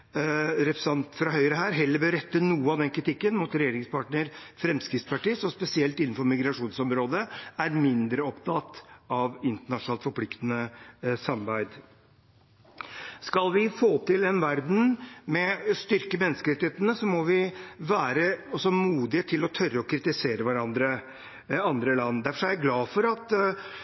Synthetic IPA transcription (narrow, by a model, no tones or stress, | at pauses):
ɾɛpsɑnt̪fɾɑɦœʏɾəɦæːɾɦɛlːəɾbøːɾɛt̪ːənuːəɑʋd̪ɛnkʰɾɪt̪ʰɪkːənmut̪ɾɛjeːɾɪŋspʰɑːʈɳəɾfɾɛmskɾɪft̪spɑʈisɔspɛsɪɛlt̪ɪnːn̩fɔɾmɪɡɾɑʂuːnsɔmɾoːd̪əæɾmɪnd̪ɾəɔpt̪ʰɑt̪ːɑʋɪnt̪əɳɑʂnɑːlt̪fɔɾpʰlɪkt̪nəsɑmɑbæɪd̪ | skɑlʋɪfoːt̪ʰɪlɛnʋæɾd̪n̩mɛst̪ʏɾkəmɛnːəskəɾɛt̪ɪheːt̪nəsɔmːɔʋɪʋæːɾəɔsːɔmuːd̪ɪət̪ʰɪlɔt̪ʰœɾːəɔkʰɾɪt̪ɪseːɾəʋæɾɑnd̪ɾə | ɑnd̪ɾəlɑnːd̪æɾfɔʂɔæɾjæɡlɑːfɔɾɑt̪